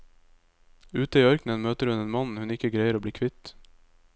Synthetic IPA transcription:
ʉːt̪əiːœɾknənmøːt̪əɾhʉneːnmɑnhʉnɪkəɡɾæɪəɾoːb̪iːkʰʋɪt̪

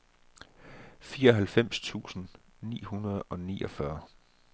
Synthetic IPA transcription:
fiːɐɒ̽ɦælfem̰st͡sʰṵːsn̩ | nḭːhunɐð̞ˠɒ̽nḭːʔɒ̽fɶɐ

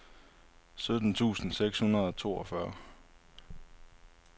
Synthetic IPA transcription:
sød̥n̩t͡sʰṵːsn̩seɡ̥shunɐð̞ˠɒt͡sʰo̝̰ːɒfɶɐ

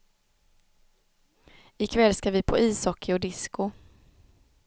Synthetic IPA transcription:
ɪkʰvɛlskaɾvɪpʰoiːsɔkʰːɪɔd̪ɪskʊ

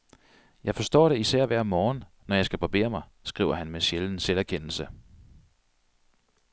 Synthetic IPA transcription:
jɑ̈ɪfɒ̽sd̥ɒ̰ːɾ̥e̝isæɐ̰ʋæɐ̰mɒːnː | ɒjɑ̈ɪsɡ̥æb̥ʁɑb̥e̝̰ːɐmɑ̈ɪsɡ̥ʁḭːʊ̰ɐhænmeɕeln̩selæɐkʰen̰l̩sə

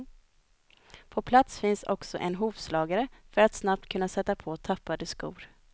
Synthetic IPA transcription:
pʰɔpʰlat̪sfɪnsɔ̰ksɔ̰ʔɛnɦuːvslɑːɡaɾəfœɾat̪snap̚t̪kʰɵnːasɛt̪ːapʰɔt̪ʰapːad̪əskṵːɾ

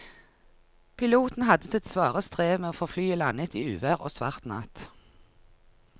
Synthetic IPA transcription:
pʰɪluːt̪n̩hɑd̪əsɪt̪sʋɑːʁəst̪ʁeːʋmeːoːfɔʁflyːəlɑnət̪ʰiːʉːʋæʁo̰ːsʋɑ̰ʁt̪nɑ̰ːt̪

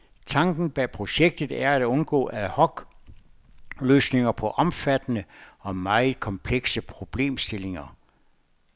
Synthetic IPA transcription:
t͡sʰɑ̈ŋɡ̥n̩b̥ɛpʰʁo̝ɕeɡ̥̚d̥ð̩ˠæɐæd̥ɔ̽nɡ̥ɔ̰ːæhɒ̽ɡ̥ | løːsne̝ŋɐpʰɒ̽ʔɒ̽mfæd̥ənəɒ̽mɑ̈ɪð̩ˠkʰɒ̽mpʰleɡ̥səpʰʁo̝b̥le̝̰ːmsd̥e̝le̝ŋɐ

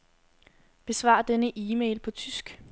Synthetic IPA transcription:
b̥e̝sʋɑ̰̈ːd̥enəʔiːmḛɪlpʰɒ̽t͡sʰysɡ̥

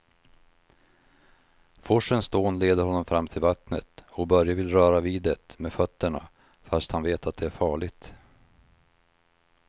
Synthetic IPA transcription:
fɔʂənst̪oːnleːd̪əɾhɔnːɔmfɾamːt̪ʰɪlvat̪nə̰t̪ɔkbœɾjavɪlɾœːɾaviːd̪ɛt̪meːfœt̪ːəɳa̰ | fast̪hanveːt̪at̪̚d̪ɛæɾfɑːɭɪɡt̪

